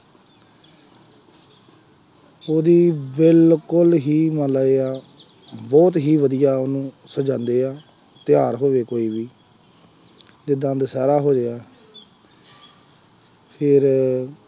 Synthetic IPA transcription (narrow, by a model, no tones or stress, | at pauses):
oːd̪iːbɪlkʊlɦiːmə̃ːlaːeːaː | bɔːt̪ɦiːʋəd̪ijaːonũːsəd͡ʒãːnd̪eːaː | t̪ɪjaːɾɦoːʋeːkoːiːbiː | d͡ʒɪd̪ãːnd̪saːɾaːɦoːd͡ʒeːaː | pʰɪɾ